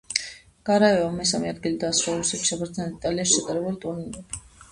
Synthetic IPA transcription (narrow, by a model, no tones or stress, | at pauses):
ɡ̥aɾaɛvamɛsamɛad̪ɡilid̪asɾaɾusɛt̪ʰiʃapʰaɾt̪znɛnɛd̪it̪ʼaliaʃt͡ʃʰat̪ʼaɾɛbulit̪ʼunind̪ʼɛbi